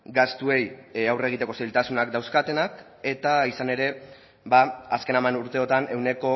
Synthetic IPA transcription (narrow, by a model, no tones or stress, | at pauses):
ɡast̪ue̞jawre̞ɣit̪e̞ko̞sejlt̪asunakd̪awskat̪e̞nak | e̞t̪aisane̞ɾe̞ | baːske̞namanuɾt̪e̞o̞t̪ane̞wne̞ko̞